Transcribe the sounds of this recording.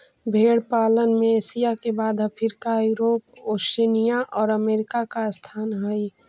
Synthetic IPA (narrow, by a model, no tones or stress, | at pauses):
bʱeːɽpaːlənmẽeːsijakebaːd̪ʱəpʰɪɾkajuɾoːposenijaʔɔːɾəmeːɾɪkakast̪ʰaːnɦəj